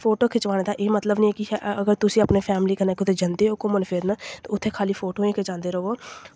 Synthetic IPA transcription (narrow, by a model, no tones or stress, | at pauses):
fʰoːʈoːkʰɪt͡ʃʋaːñed̪aːʔeːmət̪ləbnəĩkiəɡəɾt̪ʊsĩəpnefʰɛːmliːkənaːkʊt̪ʰed͡ʒənd̪eɦokomənfʰeːɾnat̪oʊt̪ʰːeːkʰaːlifʰoːʈoːẽːked͡ʒãːnd̪eːɾoːʋoː